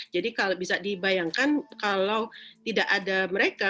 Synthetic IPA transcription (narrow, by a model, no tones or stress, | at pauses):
d͡ʒadikalobisadibajaŋkankalawt̪idaʔadaməɾeka